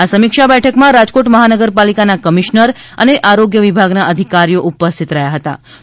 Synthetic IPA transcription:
asəmikʃabɛʈʰəkmãɾad͡ʒkoʈməɦanəɡəɾpalikanakəmiʃnəɾ | ə̰neʔaɾoɡjəʋibʱaɡnaʔəd̪ʱikaɾijoʔupəst̪ʰit̪ɾəjaɦət̪a̰

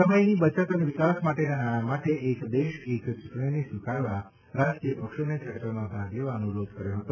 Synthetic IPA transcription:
səməjnibət͡ʃət̪əneʋikasmaʈenanaɽ̃amaʈeʔekd̪eʃekt͡ʃuʈɳinesʋikaɭʋa | ɾad͡ʒkijəpəkʃonet͡ʃəɾtamãbʱaɡleʋaənuɾod̪kəɾjoɦət̪o

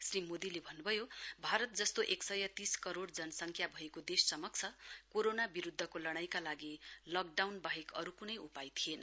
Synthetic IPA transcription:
srimod̪ilebʱʌnːubʱʌjobʱaɾʌt̪̚d͡zʌst̪oʔeksʌjʌt̪iskʌɾoɽd͡zʌnʌsʌŋkʰjabʱʌekod̪esːʌmʌk̚t͡sʰʌkoɾonabiɾud̪ʱːʌkolʌɽ̃ajkalaɡilʌk̚ɖawnbaɦikʌɾukunʌjupajt̪ʰienʌ

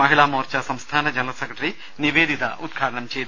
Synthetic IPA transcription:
ɐɦiɭaːmoːɾt͡ʃɐsɐmst̪ʰaːnɐd͡ʒɐnɐɾɐsekɾɐʈɐɾi | niʋeːd̪it̪ɐ̰ʔud̪̚ɡʱaːɽɐɳɐmt͡ʃeːd̪

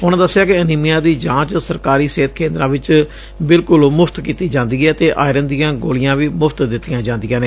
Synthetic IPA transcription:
ɦʊñd̪əsːɪjaːkɪəniːmɪjãːd̪iːd͡ʒãːt͡ʃsəɾkaːɾiːseːt̪̚ʰkʰeːnd̪ɾãːʋɪt͡ʃ | bɪlkʊlmʊpʰt̪kiːt̪iːd͡ʒãːnd̪iːɛːt̪eːʔa̰ːɪɾənd̪ijãːɡoːlɪjãːʋiːmʊpʰt̪d̪ɪt̪ːijãːd͡ʒãːnd̪ɪjãːneː

